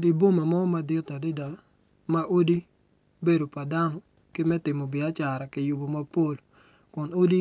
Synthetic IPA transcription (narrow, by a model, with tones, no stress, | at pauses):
dɪ˨bo˦ma˨mɔ˦ma˨˦dɪ˦ta˨dɪ˦da˨ | ma˦ʔo˦di˦ | be˦do˨pa˨da˦nɔ˦ | kɪ˦mɛ˦tɪ˨mo˨bɪ˨a˦t͡ʃa˨ɾa˨kɪ˨˦jʊ˨bo˨ma˦po˦˨l | kʊ˨no˦di˦